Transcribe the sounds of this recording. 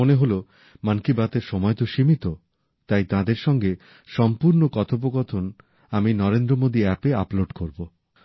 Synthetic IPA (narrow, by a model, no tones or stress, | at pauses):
oneɦolo | mankibat̪eɾʃɔmɔet̪oʃimit̪o | t̪ajt̪ãd̪eɾʃɔŋɡe | ʃɔmpuɾnokɔt̪ʰop̬oɡɔt̪ʰon | aminɔɾend̪ɾomod̪iɛpea̰ploɖkoɾbo